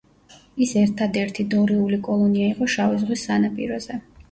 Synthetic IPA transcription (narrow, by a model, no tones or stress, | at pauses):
isɛɾt̪ʰad̪ɛɾt̪ʰid̪ɔɾiulikʼɔlˠɔniaiqʼɔʃavizʁwisːanapʼḭɾɔz̥ɛ